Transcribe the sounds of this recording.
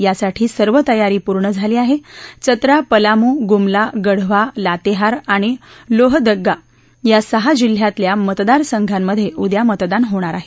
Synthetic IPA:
jasaʈʰiːsəɾʋət̪əjaɾiːpuɾɳəd͡zʱaliːaɦet͡sət̪ɾapəlamuːɡumlaɡəɽ̤ʋalat̪eɦaɾaɽ̃iloɦd̪əɡːa | jasəɦad͡ʑil̤ːjat̪ljamət̪d̪aɾsəŋɡʱamːəd̪ʱːjeʔud̪jamət̪d̪anɦoɽ̃aɾaɦe

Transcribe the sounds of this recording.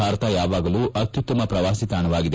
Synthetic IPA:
aːɾɐt̪ɐjaːʋaːɡɐluːʔɐt̪jut̪ːɐmɐpɾɐʋaːsit̪aːɳɐʋaːɡid̪e

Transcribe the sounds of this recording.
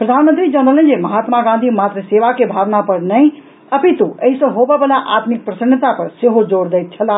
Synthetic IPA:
pɾəd̪ʱanmənt̪ɾid͡ʒənɾələ̃nd͡ʒeməɦaːt̪maɡãnd̪ʱimat̪ɾəseʋakebʱaʋnapəɾnəj̃ | əpʰit̪ueɦisə̃ɦobɛbəlaʔat̪mik̚pɾəsənət̪apəɾseɦod͡ʒoɽd̪ɛjt̪̚t͡ʃʰəlaː

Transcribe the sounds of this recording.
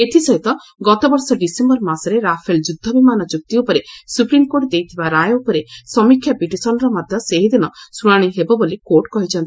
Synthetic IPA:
et̪ʰisɔɦit̪ɔ | ɡɔt̪ɔbɔɾsɔɖisembɔɾmasɔɾeɾapʰeld͡ʒud̪ʱːɔbimanɔd͡ʒuk̚t̪iupɔɾesupɾimkoʈd̪ejt̪ʰibaɾajupɔɾesɔmikʰjapiʈisɔnɔɾɔmad̪ʱjɔseɦid̪inɔsuɽ̃aɽ̃iɦebɔbolikoɾʈkɔɦit͡ʃʰɔnt̪i

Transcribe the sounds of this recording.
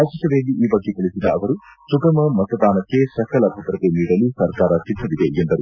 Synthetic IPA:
ɐʂiʃɐʋeːliʔiːbɐɡːekɐɭisid̪ɐɐʋɐɾusuɡɐmɐmɐt̪ɐd̪aːnɐkːe̞sɐkʰɐlɐbʱɐt̪ɾɐt̪eniːɽɐlisɐɾkaːɾɐt͡ʃid̪ːɐʋid̪eend̪ɐɾu

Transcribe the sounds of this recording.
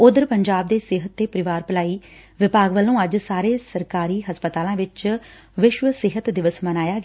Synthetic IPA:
ʊd̪əɾpəɲd͡ʒaːb̚d̪eːsɪɦət̪ːeːpəɾɪʋaːɾpəlaːiːʋɪpaːɡʋəlːũːəd͡ʒsaːɾeːsəɾkaːɾiːɦəspət̪aːlãːʋɪt͡ʃ | ʋɪʃʋəsɪɦət̪d̪ɪʋəsmənaːjaːɡ

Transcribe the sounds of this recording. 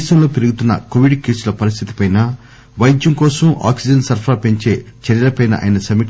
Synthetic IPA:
ʃɐnlo̞ːpeɾuɡut̪unːɐ̰koʋiɖkiːsulɐpɐɾis̬t̪ʰit̪i̥pɐjnɐ | ʋɐjd͡ʒjɐmkɔːsɐma̰ːksid͡ʒɐnsɐɾpʰɾaːpe̞ɲt͡ʃe̞ːt͡ʃɐɾjɐlɐpɐjnɐ̰ʔɐ̰ːjinɐsɐmi

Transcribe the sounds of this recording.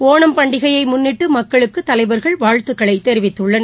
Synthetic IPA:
koːɳɐmpɐɳɖɪɣɐjɐɪmʊnːɪʈːɯmɐkːɐɭɯkːɯt̪ːɐlɐɪʋɐɾɣɐɭʋaːɻt̪ɯɣɐɭɐɪt̪ːɛɾɪʋɪt̪ːɯɭːɐnɐ

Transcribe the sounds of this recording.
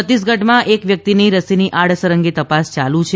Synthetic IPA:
ət̪is̬ɡʱəʈmãʔekʋjək̚t̪ineɾəsiniʔaɽ̤səɾəŋɡet̪əpast͡ʃalũt͡ʃʰ

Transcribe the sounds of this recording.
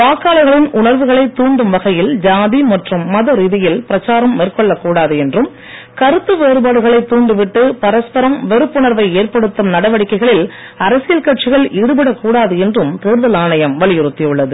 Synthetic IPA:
paːkaːlɐɣɐɭɪnʔʊɳɐɾʋɯɣɐɭɐɪt̪ːuːɳɖɯmʋɐɣɐjɪld͡ʒaːðimɐʈrɯmːɐðɐɾiːðɪjɪlpɪɾɐt͡ʃːaːɾɐmːeːrkɔɭːɐkːuːɽaːðɯɛndrɯm | kɐɾɯt̪ːɯʋeːɾɯbaːɽɯɣɐɭɐɪt̪ːuːɳɖɯʋɪʈːɯpɐɾɐspɐɾɐmʋɛɾɯpːʊɳɐɾʋɐɪeːrpɐɽɯt̪ːɯmnɐɽɐʋɐɽɪkːɐɪɣɐɭɪl | ɐɾɐsɪjɐlkɐʈt͡ʃɪɣɐɭʔɪɾɯbɪɽɐkːuːɽaːðɯɛndrɯmt̪eːɾðɐlaːɳɐjɐmʋɐɭɪjɪɾɯt̪ːɪjɯɭːɐðɯ

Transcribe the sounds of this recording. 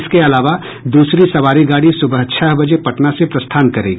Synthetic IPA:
skeɐlaːʋa | d̪uːsɾisɐʋaːɾiɡaːɽisʊbəɦt͡ʃʰɐɦbɐd͡ʒepɐʈnasepɾɐst̪ʰaːnkɐɾḛːɡiː

